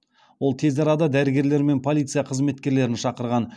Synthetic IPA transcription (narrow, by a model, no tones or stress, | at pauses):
wo̞lˠt̪ʰe̞zɑɾɑd̪ɑd̪æɾɪɡʲe̞ɾle̞ɾme̞npʰo̞lʲˠijt̪sɨjaqʰəzme̞t̪kʲe̞ɾle̞ɾɪnʃɑqəɾʁɑn